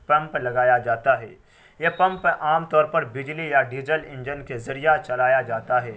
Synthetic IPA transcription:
pɐ̃mplɐɡaːjad͡ʒaːt̪aɦɛː | jepɐ̃mpʔaːmt̪ɔːɾpɐɾbɪd͡ʒlijaɖiːzəlɪ̃ɲd͡ʒənkezɐɾijat͡ʃɐlaːjad͡ʒaːt̪aɦɛː

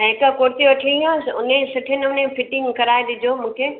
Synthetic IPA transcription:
ɪkəkoːɾt̪iɐʈʰiijãʊnẽsɐʈʰenʊnẽfɪʈɪ̃ŋkɐɾaːed̪ɪd͡ʑʱomũːkʰeː

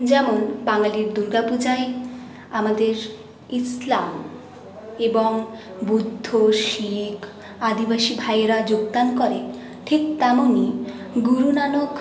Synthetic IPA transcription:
d͡ʑɛmonbaŋaliɾd̪uɾɡapud͡ʑae | amad̪eɾ | islam | eboŋ | bud̪ʱːoʃikʰ | ad̪ibaʃibʱajɾad͡ʑoɡd̪ankɔɾe | ʈʰik̚t̪ɛmoniɡuɾunanok

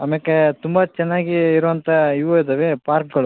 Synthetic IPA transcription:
ɐmekːet̪umbɐt͡ʃɛnːaːɡiːɾuʋɐnt̪ʰɐiʋoid̪ɐʋepaːɾk̚ɡɐɭu

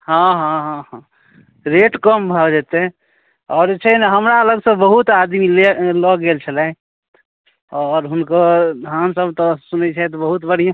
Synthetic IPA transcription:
ɦãɦãɦãɦã | ɾeʈkəmbʱəd͡ʒet̪ɛ | ɔːɾd͡ʒet͡ʃʰɛnɦəmɾaələɡsə̃bəɦut̪ad̪milelɔɡelt͡ʃʰəlɛ | ɔːɾɦunkəd̪ʱãnsəbt̪ɔsunɛt͡ʃʰɛt̪ɔbəɦut̪bəɽ̤ijã

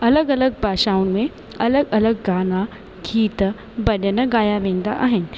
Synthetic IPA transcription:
ɐləɡɐləɡ̚bʱaːʃaũnmẽ | ɐləɡɐləɡːaːna | ɡʱiːt̪ | bɐnənəɡaːjaʋẽnd̪a̰ʔa̰ːɦen

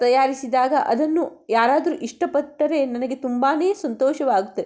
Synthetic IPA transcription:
t̪ɐjaːɾisid̪aːɡɐʔɐd̪ɐnːujaːɾaːd̪ɐɾuʔiʂʈɐpɐʈːɐɾe̞nɐnɐɡe̞t̪umbaːne̞ːsɐnt̪ɔːʃɐʋaːɡut̪ːɐd̪e

